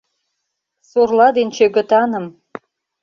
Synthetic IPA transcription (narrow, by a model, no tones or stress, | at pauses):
sorlɑd̪ent͡ɕøɡə̆t̪ɑnə̆m